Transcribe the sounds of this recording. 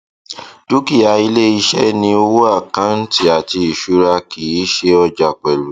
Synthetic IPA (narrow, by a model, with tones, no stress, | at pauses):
d̥u˦ki˦˨a˨˦i˧le˦i˦˧ʃɛ˦nĩ˧o˧wo˦a˦˨kã˨˦n̩˦ti˦a˨ti˧i˨ʃu˨˦ɾa˧ki˨i˨˦ʃe˦ɔ˧d͡ʒa˨k͡pɛ˨lu˨